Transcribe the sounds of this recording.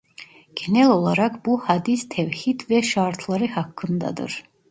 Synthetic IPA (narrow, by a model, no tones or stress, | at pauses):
ɡ̥ɛnɛlolˠaɾakʰbuhad̪ist̪ʰɛvhit̪vɛʃaɾt̪ʰlˠaɾɯhakʰːɯnd̪a̰d̪ɯ̰ɾ